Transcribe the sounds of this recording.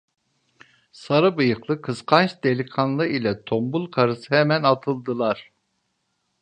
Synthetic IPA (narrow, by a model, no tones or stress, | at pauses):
saɾɯbɯjɯqlˠɯkʰɯsqʰant͡ʃd̪elʲikʰanlˠɯilʲɛt̪ʰombulˠkʰaɾɯsɯhɛmænat̪ʰɯlˠd̪ɯlˠaɾ̥